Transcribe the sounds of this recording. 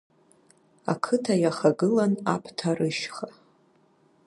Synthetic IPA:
a̰kʰɨtʰajaχaɡɨlana̰pʰtʰarɨʃχa

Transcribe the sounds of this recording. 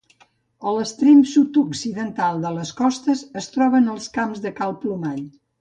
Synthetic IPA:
ələst̪ɾemsut̪uksiðənt̪alˠd̪ələskɔst̪əzəst̪ɾɔβənəlˠskamzðəkalˠplumaʎ

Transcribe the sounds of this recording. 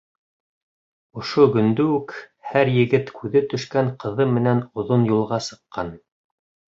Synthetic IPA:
ŏʃoɡɵ̆nd̪ɵʉkhæɾjɘ̆ɡɘt̪kʰʉðɘt̪ɵ̆ʃkæŋqɤ̆ðɤmɘ̆nænŏðonjulˠʁɑsɤ̆qːɑn

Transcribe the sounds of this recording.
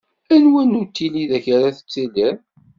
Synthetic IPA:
ænwænut̪ːiliðæçaɾaθə̥t͡sːædæn

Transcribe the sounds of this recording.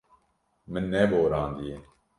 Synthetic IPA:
mɪnːeːboːɾãːnd̪ie

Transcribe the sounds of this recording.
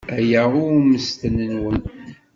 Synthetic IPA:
æjaʁʊməst̪ənənwən

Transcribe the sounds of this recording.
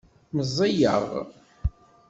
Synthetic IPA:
məzˤːijə̰ʁ

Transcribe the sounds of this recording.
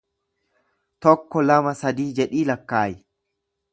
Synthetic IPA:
t̪ɔkːɔlɐmɐsɐd̪iːd͡ʒɛᶑiːlɐkːaːjɪ

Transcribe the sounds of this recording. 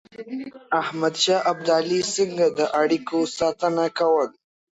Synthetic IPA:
ahmad̪ʃɑːʔab̚d̪alisiŋɡad̪əʔaɽikosɑt̪ənakawəl

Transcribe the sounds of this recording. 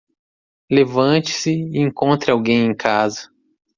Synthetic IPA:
levɐ̃t͡ʃɪ̥sɪːẽŋkõnt̪ɾɪawɡẽj̃ẽj̃kʰazɐ

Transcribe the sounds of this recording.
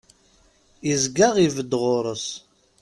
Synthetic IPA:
izɡaʁivəd̪ːʁʊɾˤəs

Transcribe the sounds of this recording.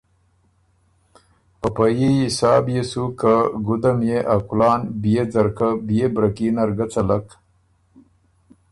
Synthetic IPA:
pəpajiisɑːbjesukaɡud̪amjeʔakulɑːnbijed͡zɐɾkabijebɾakiːnaɾɡat͡sɐlak

